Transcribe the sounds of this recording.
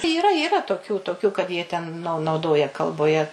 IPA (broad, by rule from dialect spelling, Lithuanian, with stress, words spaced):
iːˈrɐ iːˈrɐ toːˈkʲuː toːˈkʲʊ kɐt jiɛ tʲɛn nɐʊ nɐʊˈdoːjɛ kɐlˠboːˈjɛ